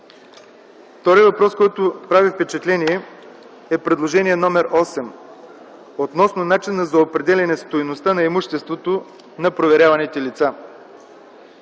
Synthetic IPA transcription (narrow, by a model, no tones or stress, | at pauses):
ft̪ɔɾivɐpɾɔskɔjt̪opɾavifpɛt͡ʃɛt̪lɛniɛ | ɛpɾɛd̪lˠoʒɛniɛnɔmɛɾɔsɛm | ot̪nɔsnonat͡ʃinːɐzɐopɾɛd̪ɛlʲɛnɛst̪ojnost̪anɐɛmuʃt̪ɛst̪vot̪o | nɐpɾovɛɾʲjavɐnɛt̪ɛlit̪sa